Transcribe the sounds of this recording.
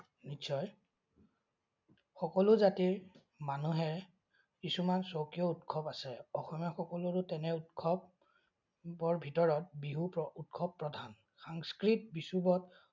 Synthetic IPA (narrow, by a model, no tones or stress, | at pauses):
nitsɔj | xɔkɔlʊzatiɹ | manuɦɛɹ | isumansokijɔutkʰɔbasɛɔxɔmjɔxɔkɔlʊɹʊtɛnɛutkʰɔb | bɔɹbʱitɔɹɔt̚biɦupɔut̚kʰɔbːɹɔdʱan | xaŋskɹitbisubɔt